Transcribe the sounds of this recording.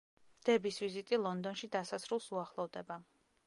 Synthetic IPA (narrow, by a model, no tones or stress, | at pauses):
d̪̥ɛbisvizit̪ʼilˠɔnd̪ɔnʃid̪asat̪sʰɾulˠsuaχlˠɔvd̪ɛba